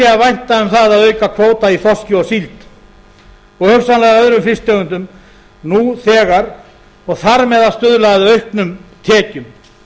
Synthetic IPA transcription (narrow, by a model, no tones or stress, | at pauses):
ɛavajn̥t̪aʏmθaðaðœɥkakʰvoːwt̪aiθɔscɪɔɣsilt̪ | ɔɣhœɣsanlɛɣœðɾʏmflɪst̪jœɣʏnt̪̬ʏm | nuθɛːɣaɾ | ɔɣθaɾmɛðast̪ʏðlaɣðɪœɥhknʏmt̪ʰɛːcʏm